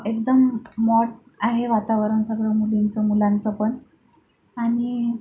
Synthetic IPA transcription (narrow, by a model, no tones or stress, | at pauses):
ekd̪əmːɔʈ̚ | aɦeʋat̪aʋəɾənsəɡɾəmulint͡səmulãnt͡səpəɳ | aɽ̃i